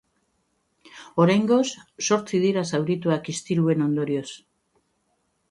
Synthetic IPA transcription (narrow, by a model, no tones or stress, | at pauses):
o̞ɾajŋɡo̞sːo̞ɾt͡sið̞iɾasawɾit̪uakist̪iɾue̞no̞nd̪o̞ɾio̞s